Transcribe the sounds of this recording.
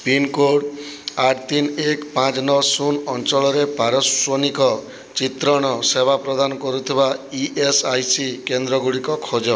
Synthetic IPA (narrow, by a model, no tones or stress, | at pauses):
pinkoɽaʈt̪inekpãt͡ʃnɔsunɔnt͡ʃɔɭɔɾepaɾɔswɔnikɔ | t͡ʃit̪ɾɔɽ̃ɔsebʱapɾɔd̪anɔkɔɾut̪ʰibaiʔesajsikend̪ɾɔɡuɽikɔkʰod͡ʒɔ